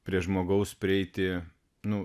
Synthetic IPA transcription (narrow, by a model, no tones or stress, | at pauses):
pʲɾʲiɛʒmoːɡɐʊspʲɾʲɪɛɪt̪ʲɪ | nʊ